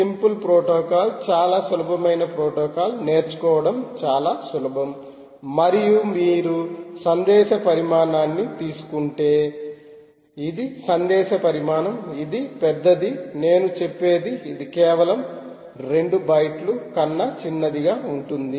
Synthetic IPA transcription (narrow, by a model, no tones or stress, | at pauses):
simpulpɾoːʈɔːkaːlt͡ʃaːlaːsulɐbʱɐmɐjnɐpɾoːʈɔːkaːlne̞ːɾt͡ʃu̥kɔːʋɐɽɐmt͡ʃaːlaːsulɐbʱɐm | mɐɾijumiːɾusɐnd̪ɛːʃɐpɐɾimaːnaːnːit̪iːsu̥kuɳʈe̞ː | id̪isɐnd̪ɛːʃɐpɐɾimaːnɐmid̪ipɛd̪ːɐd̪ine̞ːnut͡ʃepːe̞ːd̪iːd̪ikɛːʋɐlɐm | ɾe̞ɳɖubɐjʈlukɐnːɐt͡ʃinːɐd̪iɡaːuɳʈund̪i